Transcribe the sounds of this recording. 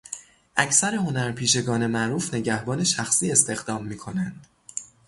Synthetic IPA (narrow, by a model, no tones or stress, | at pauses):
ʔæcʰsæɾe̞ho̞næɾpʰiːʃe̞ɡɒːne̞mæʔɾuːfne̞ɟæhbɒːne̞ʃæxsiːe̞st̪e̞ɣd̪ɒːmːiːkʰo̞nænd̪̥